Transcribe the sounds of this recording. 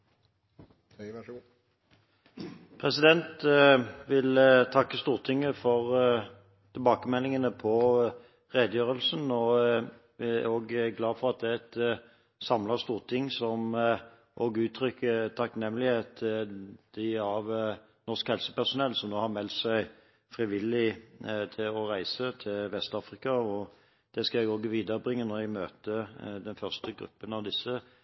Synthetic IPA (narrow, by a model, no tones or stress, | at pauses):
pʰʁɛsɪd̪ɛnt̪ | ʋɪlt̪ʰɑkːəst̪uːʁt̪ʰɪŋːəfɔʁ | t̪ʰɪlbɑːkəmɛlːɪŋənəpʰɔ | ʁeːd̪əjøːʁəlsnɔ | oːɡɡlɑːfɔʁɑt̪̚d̪ɛæɛt̪ | sɑmləʁst̪uːʁt̪ʰɪŋːsɔm | ʔoːɡʉːt̪ʰɾʏkʰːət̪ʰɑknɛmːəlɪheːt̪ | d̪̥ɪɑʋ | nɔʁskhɛlsə̥pæʁsʊnɛlːsɔmnoːhɑʁmɛlt̪sæɪ | fɾɪʋɪlːɪt̪ʰɪlɔʁæɪsət̪ʰɪlʋɛst̪ɑːfʁɪkɑɔ | d̪̥ɛskɑɛɡoːɡəʋiːd̪əɾəbʁɪŋːənɔʁjæɡmøːt̪əd̪ɛnfœʁst̪əɡʁʉ̰pːənɑʋd̪ɪsːə